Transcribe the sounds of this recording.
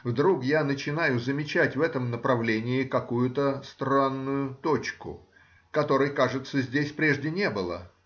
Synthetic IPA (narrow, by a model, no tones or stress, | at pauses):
vd̪ɾukjanət͡ɕɪnajʊzəmʲɪt͡ɕætʲvɛt̪əmnəpɾɐvlʲenʲɪɪkɐkujʊt̪əst̪ɾanːʊjʊt̪ot͡ɕkʊ̰ | kɐt̪o̞ɾɨjkaʐɨt̪səzʲdʲesʲpɾʲe̞ʐdʲɪnʲe̞bɨlˠə̰